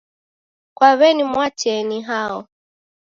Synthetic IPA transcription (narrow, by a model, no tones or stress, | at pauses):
kwaβɛnimwat͡ʃɛniɦaɔ